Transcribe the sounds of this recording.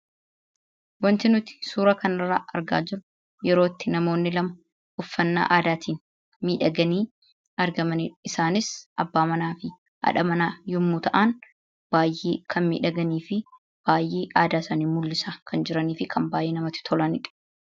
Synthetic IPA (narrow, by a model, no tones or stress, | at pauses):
wɐnt̪ɪnʊt̪ɪ̥suːɾɐkɐnɪrːa̰ːʔɐɾɡa̰ːd͡ʒɪɾʊ | jɛɾo̞ːt̪ːɪnɐmo̞ːnːɪlɐmɐ | ʊfːɐnːa̰ːʔaːd̪aːt̪ʰiːn | miːᶑɐɡɐniː | ɐɾɡɐmɐniᶑɪsaːnɪsɐbːaːmɐnaːfɪ | hɐ̰ᶑɐmɐnaːjʊmːuːt̪ɐʔan | b̥aːjʔḛːkʰɐnmḭːᶑɐɡɐniːfɪ | b̥aːjːʔeːʔaːd̪aːsɐniːmʊlːɪsakʰɐnd͡ʒɪɾɐniːfɪkʰɐmbaːjʔeːnɐmɐt̪ːɪ̥t̪ʰɔlɐnɪᶑɐ̥